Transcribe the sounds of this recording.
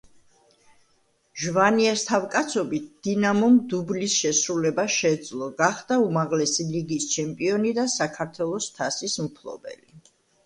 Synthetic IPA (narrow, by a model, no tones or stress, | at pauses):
ʒvaniɛst̪ʰavkʼat̪sʰɔbit̪̚ʰd̪̥inamɔmd̪ublisʃɛsɾulɛbaʃɛd̪zlˠɔɡaχd̪̥aumaʁlɛsiliɡist͡ʃʰɛmpʼiɔnid̪asakʰaɾt̪ʰwɛlˠɔst̪ʰasismpʰlˠɔ̰bɛ̰li